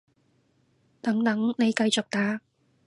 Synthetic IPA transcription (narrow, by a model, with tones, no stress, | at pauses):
t̪ɐ˨˥ŋt̪ɐ˨˥ŋne˨˧jkɐ˧jt͡sʊ˨k̚t̪aː˨˥